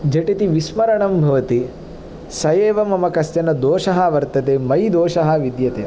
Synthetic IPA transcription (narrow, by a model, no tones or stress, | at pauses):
d͡ʒɐʈit̪iʋismɐɾɐɳɐmbʱɐʋɐt̪i | sɐjeːʋɐmɐmɐkɐsjɐnɐd̪oːʃɐɦɐʋɐɾt̪ɐt̪eːmɐjd̪oːʃɐɦɐ̆ʋid̪jɐt̪eː